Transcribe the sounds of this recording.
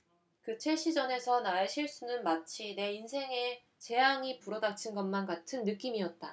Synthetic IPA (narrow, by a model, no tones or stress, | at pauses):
kɯt͡ɕʰe̞ɕ͈ʰid͡ʑʌne̞sʰʌnaeɕʰiɭs͈unɯnmat͡ɕʰine̞insʰe̞ŋe̞ | t͡ɕe̞jaŋipuɾʌdat͡ɕʰɯnɡʌnmanɡatʰɯnːɯk͈imiʌt̚t͈a